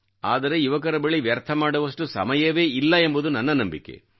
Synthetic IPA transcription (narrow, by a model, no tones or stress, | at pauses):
aːd̪ɐɾe̞iʋɐk̬ɐɾɐbeɭiʋjɐɾt̪ʰɐmaːɽɐʋɐʂʈusɐ̰mɐjɐʋe̞ːilːɐembud̪unɐnːɐnɐmbikːe̞̰